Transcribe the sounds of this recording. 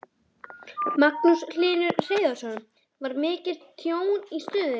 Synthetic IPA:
makːusl̥ɪːnʏɾreːjðasɔnʏm | vaɾmɪːcɪɾt̪ʰjoːwnist̪ʏːðɪ

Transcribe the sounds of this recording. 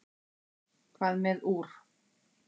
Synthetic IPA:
kʰvaðmɛðuɾ̥

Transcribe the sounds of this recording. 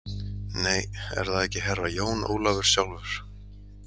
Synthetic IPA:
neːjɛ̰ɾ̥θaðɛhcɪɦɛrːajoːwno̰ːwlavʏɾ̥sjawlvʏɾ̥

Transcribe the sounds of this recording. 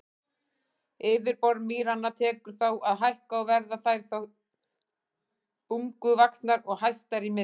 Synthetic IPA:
ɪːvɪɾpɔɾmiːɾanːat̪ʰɛːkʏɾ̥θawʔaðɦajl̥kaɔwvɛɾðaθajɾ̥θaw | puŋkʏvaksnaɾɔɣɦajst̪aɾimɪ

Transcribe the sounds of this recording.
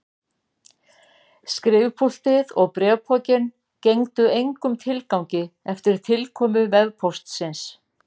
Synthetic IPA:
skɾɪvpʰul̥t̪ɪðɔɣpɾɛpʰɔcɪn | cejŋt̪ʏejŋkʏmt̪ʰɪlkawɲcɪɛft̪ɪɾ̥t̪ʰɪlkʰɔːmʏvɛðpʰɔst̪sɪns

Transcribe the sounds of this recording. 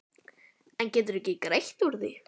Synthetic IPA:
ɛncɛːt̪̬ʏɾɛhcɪkɾejht̪uɾðɪ

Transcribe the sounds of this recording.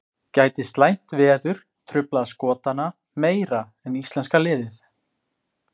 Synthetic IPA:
caːjt̪ɪst̪lajm̥t̪vɛːðʏɾ̥ | t̪ʰɾʏplaðaskɔːt̪ana | meːjɾa | ɛnist̪lɛnskalɪːðɪθ

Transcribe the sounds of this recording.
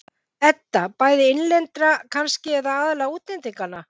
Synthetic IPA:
θɛt̪ːapaːjðɪɪnlɛnt̪ɾakʰanscɪɛt̪aaːðɪlɛːɣauːt̪lɛnt̪iŋkanːa

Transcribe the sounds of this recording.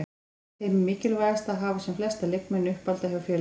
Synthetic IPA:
ejmmɪːcɪlvaːɣast̪aðɦaːvasɛmflɛst̪alekmɛnːʏhpalt̪ahjawfjɛː

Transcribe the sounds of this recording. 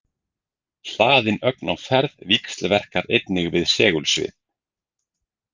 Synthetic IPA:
l̥aːðɪnœknawfɛɾðvikst̪lvɛr̥kaɾejt̪nɪɣvɪðsɛːɣʏlsvɪ̰

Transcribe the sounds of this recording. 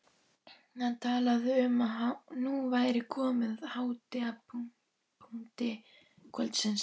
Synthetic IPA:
hant̪ʰaːlaðɪʏmaɦanuvaːjɾɪkʰɔːmɪðhaːwt̪ɪa | pʰuŋt̪ɪ | kʰɔlt̪sɛns

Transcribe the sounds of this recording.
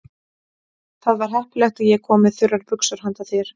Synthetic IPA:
θaðvaɾ̥ɦɛhplɛxt̪aðjɛkʰɔːmɪðθʏɾaɾpʏksœɾ̥hant̪aθɪɾ̥

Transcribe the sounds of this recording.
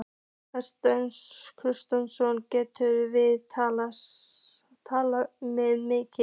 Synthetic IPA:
ɛst̪œnkʰɾʏst̪ansɔncɛːt̪ʏɾvɪðt̪ʰala | t̪ʰaːlamɛðmɪːcɪ

